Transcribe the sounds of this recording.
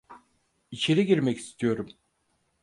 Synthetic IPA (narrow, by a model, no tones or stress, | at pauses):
it͡ʃʰe̞ɾiɟiɾmɛci̥st̪ʰijo̞ɾum